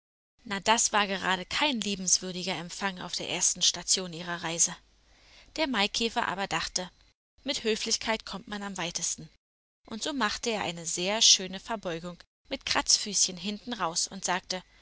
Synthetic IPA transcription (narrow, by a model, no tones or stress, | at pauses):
nad̥asv̥aːɐɡəʁa̰ːɾəkʰaɪnliːbm̩sv̥ʏɐdɪɡɐɛmfaŋa̰ʊfd̥eːɐʔḛːɐstn̩ʃtat͡sjoːniːʁ̞ɐʁaɪzə | d̥eːɐmaɪkʰɛːfɐʔa̰ːbɐdaχtə | mɪthøːflɪçkʰaɪtkʰɔmtmanamvaɪtəstn̩ | ʔʊntz̥oːmaχtəeːɐʔa̰ɪnəzeːɐʃøːnəfɛɐbɔʏɡʊŋ | mɪtkʁ̥a̰t͡sfyːsçənɦɪntn̩ʁaʊsʊntz̥aːk̚tə